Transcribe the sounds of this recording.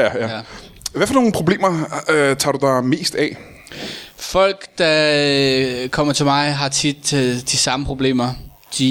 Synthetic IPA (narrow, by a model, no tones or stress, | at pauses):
æ | ʋæfɒno̝ːn̩pʰʁo̝ble̝̰ːmɐt͡sʰɑ̈ːdud̥ɑ̈me̝̰ːsd̥ɛ | fɒ̽l̰ɡ̥d̥ɑ̈ | kʰɒ̽m̰ɐt͡sʰe̝lmɑ̈ɪɦɑ̈t͡sʰid̥d̥isɑ̈məpʰʁo̝b̥le̝̰ːmɐ | d̥i